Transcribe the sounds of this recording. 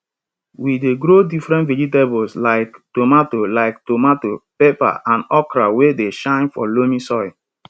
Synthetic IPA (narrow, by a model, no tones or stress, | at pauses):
wideɡɾodifɾɛ̃ntvɛd͡ʒitebɔlslaɪktomatolaɪktomatopepa̰ʔãnɔkɾawedeʃãɪ̃nfɔlomĩsɔɪ